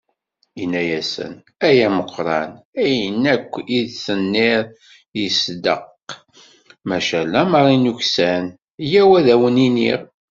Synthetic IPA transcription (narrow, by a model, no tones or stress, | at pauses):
inːæjæsə̰n | æjæməqʰːɾˤɑ̰næjənːækʷːiðsənːɪɾˤ | jəsd̪əq | mæʃælːæməɾˤinuçsæn | jæwæðæwəninḭʁ